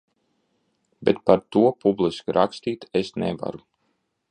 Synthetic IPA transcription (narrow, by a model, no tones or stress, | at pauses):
bet̪paɾt̪uɔpublˠiskiɾʔakst̪iːt̪esnḛva̰ɾu